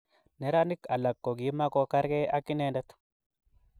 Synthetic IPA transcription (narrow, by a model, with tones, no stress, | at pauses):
nɛ˦ɾa˦nɪ˦ka˨lɐ˨kːo˨ɡi˨˦mːa˦ko˦kɐ˦ɾke˦ʔa˦kːɪ˦neː˦ndɐ˦t̪